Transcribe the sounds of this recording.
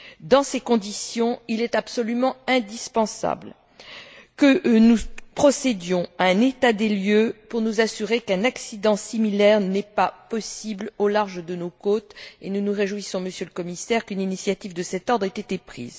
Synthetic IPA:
d̪ɑ̃sekɔ̃d̪isjɔ̃ilɛt̪apsɔlymɑ̃ɛ̃d̪ispɑ̃sa̰bl | kənupχɔsed̪jɔ̃aɛ̃net̪ad̪eljøpuʁnuzasyʁekɛ̃naksid̪ɑ̃similɛʁnɛpapɔsiblolaʁʒəd̪ənokot̪ḛnunuʁeʒuisɔ̃məsjøləkɔmisɛʁkyninisjat̪ivd̪əsɛt̪ɔʁd̪ʁɛt̪et̪epχḭːz

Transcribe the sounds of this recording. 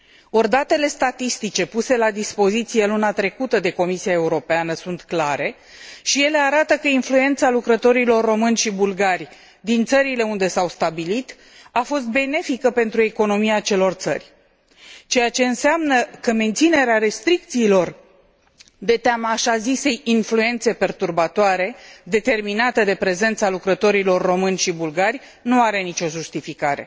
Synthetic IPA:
o̞rd̪at̪e̞le̞st̪at̪ist̪it͡ʃe̞puse̞lad̪ispo̞zit̪sije̞lunat̪ɾe̞kut̪əd̪e̞ko̞misiae̞uɾo̞peanəsunt̪klaɾe̞ | ʃije̞le̞aɾat̪əkəinflue̞nt̪salukɾət̪o̞ɾilo̞rːo̞mɨnʲʃibulɡarʲ | d̪int̪səɾile̞und̪e̞sawst̪abilit̪ | afo̞st̪̚be̞ne̞fikəpe̞nt̪ɾue̞ko̞no̞miat͡ʃe̞lo̞rt̪sə̰rʲ | t͡ʃe̞jat͡ʃe̞ɨnseamnəkəme̞nt̪sine̞ɾeaɾe̞st̪ɾik̚t̪siːlo̞r | d̪e̞t̪eamaːʃazise̞jinflue̞nt̪se̞pe̞rt̪urbat̪oaɾe̞d̪e̞t̪e̞rminat̪əd̪e̞pɾe̞ze̞nt̪salukɾət̪o̞ɾilo̞rːo̞mɨnʲʃibulɡarʲ | nuaɾe̞nit͡ʃo̞ʒust̪ifikaɾe̞̰

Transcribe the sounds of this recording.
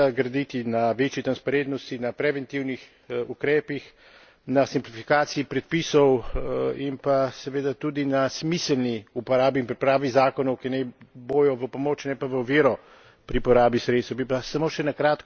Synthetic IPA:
aɡɾɐd̪it̪inaʋet͡ʃjit̪ɾanspaɾent̪nɔst̪inapɾɛʋɛnt̪iwnix | ukɾɛːpix | nasimplifikaːt̪siipɾɛt̪̚pisɔwimpasɛʋeːd̪at̪ud̪inasmisɛlniupɔɾaːbiːnpɾipɾaːʋizaːkɔnɔwkinɛjboːjɔʋəpɔmoːt͡ʃnɛpaʋəɔʋiːɾɔ | pɾipɔɾaːbisɾet̪st̪bipasamoʃɛnakɾaːt̪k

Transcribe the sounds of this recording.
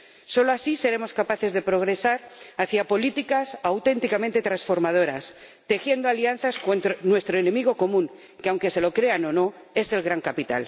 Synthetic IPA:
so̞loasise̞ɾe̞mo̞skapaθe̞zðe̞pɾo̞ɣ̞ɾe̞saɾaθjapo̞lit̪ikasawt̪e̞nt̪ikamẽnt̪e̞t̪ɾansfo̞ɾmað̞o̞ɾas | t̪e̞xje̞nd̪oalian̟θaskont̪onwe̞st̪ɾoene̞miɣ̞o̞ko̞mũŋ | keawŋke̞se̞lo̞kɾe̞ano̞no̞ | e̞se̞lɣɾaŋkapit̪a̰l

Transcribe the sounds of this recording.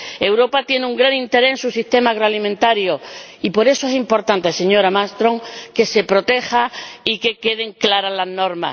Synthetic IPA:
e̞wɾo̞pat̪je̞neuŋɡɾanĩnt̪e̞ɾeensusist̪e̞maːɣ̞ɾoalimẽnt̪aɾjoipo̞ɾe̞soe̞simpo̞ɾt̪ant̪ese̞ɲo̞ɾamast̪ɾo̞ŋke̞se̞pɾo̞t̪e̞xaike̞ke̞ð̞e̞ŋklaɾalazno̞ɾma̰

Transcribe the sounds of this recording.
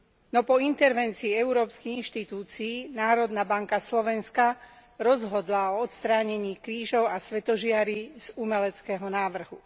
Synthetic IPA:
nɔpɔint̪ɛɾʋɛnt͡siːɛuɾɔːpskiɣinʃt̪it̪uːt͡siːnaːɾɔd̪nabaŋkaslɔʋɛnskaɾɔzɦɔd̪laɔɔt̪st̪ɾaːɲɛɲiːkɾiːʒɔʊasʋɛt̪ɔʒɪaɾiz̥umɛlɛt͡skɛːɦɔnaːʋr̩ɦu

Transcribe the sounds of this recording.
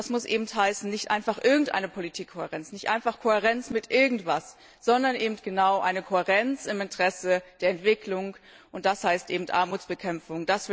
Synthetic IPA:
asmʊsʔeːbm̩thaɪsn̩nɪçtʔa̰ɪnfaχʔɪɐɡŋ̩tʔa̰ɪnəpʰolitʰiːkʰːohɛʁɛnt͡snɪçtʔa̰ɪnfaχkʰohɛʁ̞ɛnt͡smɪtʔɪɐɡŋ̩tv̥as | z̥ɔndɐnʔeːbm̩tɡ̥ənaʊʔaɪnəkʰohɛʁɛnt͡sɪmɪntəʁ̥ɛsəd̥eːɐɛntv̥ɪklʊŋ | ʔʊnt̚d̥ashaɪstʔeːbm̩tʔa̰ɐmuːt͡sb̥əkʰɛmfʊŋd̥asv̥

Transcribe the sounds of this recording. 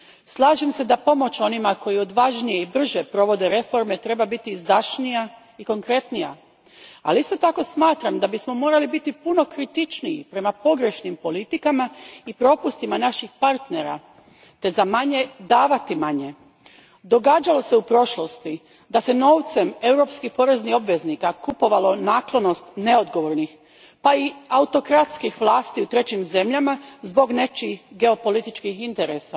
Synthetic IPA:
slˠaːʒemse̞d̪apo̞mo̞t͡ɕo̞nimako̞jio̞d̪ʋaʒnijeibr̩ʒepɾo̞ʋo̞d̪e̞ɾe̞fo̞ɾme̞t̪ɾe̞babit̪izd̪aʃnija | iko̞ŋkɾe̞t̪nija̰ | a̰liist̪ot̪ako̞smaːt̪ɾamd̪abismo̞mo̞ːɾalibit̪ipuno̞kɾit̪it͡ʃniipɾe̞mapo̞ɡɾe̞ʃnimpo̞lit̪ikamaipɾo̞pust̪imanaʃixpaɾt̪ne̞ɾa̰ | t̪e̞zamaɲe̞d̪aːʋat̪imaɲe̞ | d̪o̞ɡaːd͡ʒalo̞se̞upɾo̞ʃlost̪i | d̪ase̞no̞ːʋt̪se̞me̞wɾo̞pskixpo̞ɾe̞znio̞bʋe̞znikakupo̞ʋalo̞naːklˠo̞no̞st̪ne̞o̞d̪ɡo̞ʋo̞ɾnix | paiaut̪o̞kɾat̪skixʋlˠaːst̪iut̪ɾe̞t͡ɕimze̞mʎamazbo̞ɡne̞t͡ʃixɡe̞o̞po̞lit̪it͡ʃkixint̪eɾesa

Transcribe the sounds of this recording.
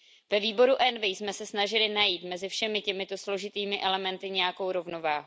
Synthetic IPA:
vɛviːbo̞ɾuʔɛnvɛjsmɛsɛsnaʒɪlɪnajiːt̪mɛzɪfʃɛmɪcɛmɪt̪o̞slo̞ʒɪt̪iːmɪʔɛlɛmɛnt̪ɪɲɛjako̞wɾo̞vno̞vaːɦu

